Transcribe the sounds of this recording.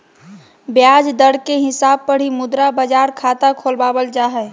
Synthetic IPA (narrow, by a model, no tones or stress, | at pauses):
bjad͡ʒd̪əɽkeɦɪsaːb̚pəɽ̤imʊd̪ɾabəd͡ʒaɾkʰat̪akʰolbaːbəld͡ʒaɦɛ